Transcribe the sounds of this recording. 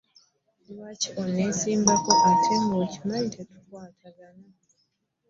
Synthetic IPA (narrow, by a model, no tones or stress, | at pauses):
iwacionesiːmbakoʔatʰeŋɡocimaɲtʰetu̥twaːtʰaɡana